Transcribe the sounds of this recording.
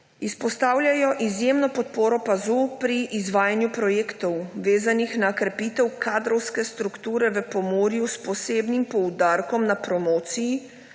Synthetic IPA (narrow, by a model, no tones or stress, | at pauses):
ispɔst̪aːwlʲjajɔʔizjeːmnɔpɔt̪̚poːɾɔpazupɾiʔːzʋaːjanjupɾɔjeːkt̪ɔwʋeːzanixnaokɾɛpiːt̪ɛwkʰaːd̪ɾɔwskɛst̪ɾukt̪uːɾɛʋəpɔmoːɾjuspɔseːbnimpɔwd̪aɾkɔmnapɾɔmoːt̪siji